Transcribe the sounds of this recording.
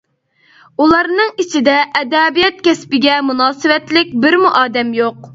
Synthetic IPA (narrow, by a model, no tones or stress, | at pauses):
ulˠɑɾnɨŋit͡ʃʰid̪ɛʔɛd̪ɛbijɛt̪̚kʲʰɛspɪɡʲɛmunɑːsɨwɛt̪lɪk̚ʲbɪɾmuʔɑːd̪ɛmjoq̚